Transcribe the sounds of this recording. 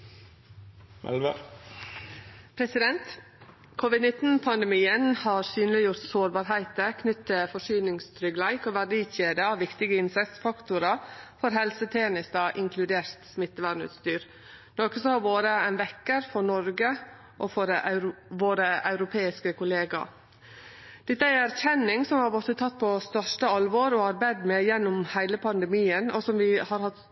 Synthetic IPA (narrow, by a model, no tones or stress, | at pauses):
mʔɛ̰lʋə | pʰɾɛsɪd̪ɛnt̪ | kʰʊʋɪd̪nɪt̪n̩pʰɑnd̪ɛmiːənhɑːɾsyːnəlɪjʊɾt̪soːɾbɑːɾɦæɪt̪əkʰnʏt̪t̪ʰːɪfɔʂyːnɪŋst̪ʰɾʏɡlæɪkoːʋæɖiːçeːd̪əɑʋʋɪkt̪ɪɡəɪnsɛsfɑkt̪ʊɾəfɔɾɦɛlsət̪ʰeːnɪst̪ɑʔɪŋkʰlʉd̪eːɾt̪smɪt̪ːəʋæːɳ̩ʉ̰t̪st̪yːɾ | nɔkəsɔhɑɾʋoːɾəæɪnʋɛkːəɾfɔɾɳɔɾɡə | ʔɔfɔɾʔɾʋoːɾəɑ̰ʉɾʊpʰeːɪskəkʰʊleːɡɑ̰ | d̪̥ɛt̪ːəæɪæɾçɛnːɪŋsɔmhɑɾbɔt̪ːət̪ʰɑt̪̚ːpʰɔst̪œʂʈəɑlʋoːɾɔɑɾbæd̪mɛjɛnːʊmhæɪləpʰɑnd̪əmiːənɔsɔmʋɪhɑɾhɑt̪